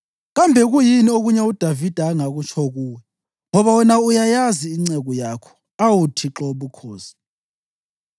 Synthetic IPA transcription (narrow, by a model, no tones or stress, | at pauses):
ɣambʱɛɣujinioɣuɲɛud̥ʱavid̥ʱaːŋaɣut͡ʃʰɔɣuːwɛ | ŋɔβawɛnaujajaziːŋ͡ǀɛɣɔjakʰɔ̥ | awutʰiǁɔβukʰoːz̥i̥